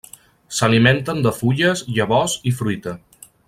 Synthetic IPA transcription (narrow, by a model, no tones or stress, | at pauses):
səliment̪ənd̪əfuʎəzʎəβɔzifɾujt̪ə